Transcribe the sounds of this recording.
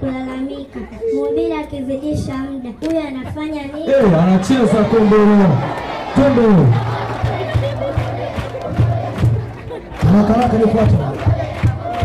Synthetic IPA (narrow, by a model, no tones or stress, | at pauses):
kulalamikamɔmbiɾakiviɗiʃam̩ɗaujɔanafaɲaniɛanat͡ʃizatɔmbɛnatɔmbɛ | anakaɾakanikata